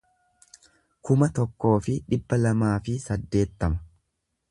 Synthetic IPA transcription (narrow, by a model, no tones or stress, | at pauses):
kʊmɐt̪ɔkːo̞ːfɪᶑɪbːɐlɐmaːfɪsɐd̪ːe̞ːt̪ːɐmɐ̥